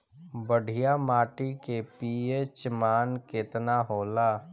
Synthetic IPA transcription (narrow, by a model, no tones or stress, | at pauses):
bəɽ̤ʱijamaːʈikepiːet͡ʃmaːnkɪt̪naɦoːlaː